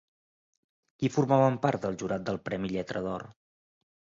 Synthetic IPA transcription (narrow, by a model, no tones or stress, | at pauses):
kifurmaβəmpart̪̚d̪əlˠʒuɾat̪̚d̪əlˠpɾɛmiʎɛt̪ɾəðɔr